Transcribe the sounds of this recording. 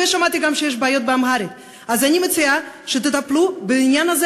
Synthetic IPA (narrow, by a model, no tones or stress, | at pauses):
eʃamat̪iɡamʃejeʃ̬beajo̞t̪̚beamɦaɾet̪ | azanʲimet͡siaʃet̪et̪aplubeinjanaze